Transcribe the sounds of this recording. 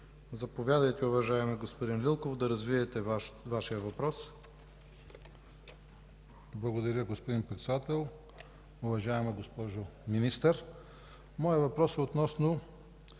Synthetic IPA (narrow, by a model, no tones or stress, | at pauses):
zɐpovʲjad̪ɐjt̪ɛʊvɐʒaɛmɛɡospod̪inlʲilˠkofd̪ɐɾɐzviɛt̪ɛvaʃijəvɐpɾɔs | blˠɐɡod̪ɐɾʲəɡospʊd̪inpɾɛt̪sɛd̪at̪ɛlˠ | ʊvɐʒaɛmɛɡospɔʒominist̪əɾ | mɔjəvɐpɾɔsɛot̪nɔsno